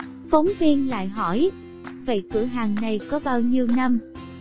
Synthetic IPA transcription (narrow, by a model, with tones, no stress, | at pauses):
fə˨˦wŋ͡mvi˧ənla̰ː˧˨jɦɔ˧˩j | və̰˧˨jk̪ʰɨ̰˧˩əɦaː˨˩ŋna˨˩jkɔ˨˦ɓaː˧wɲi˧əwna˧m